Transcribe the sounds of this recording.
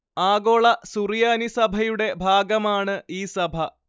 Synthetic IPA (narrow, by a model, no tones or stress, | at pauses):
aːɡoːɭɐsurjaːnisɐbʱɐjuɽe̞bʱaːɡɐmaːɳɨiːsɐbʱɐ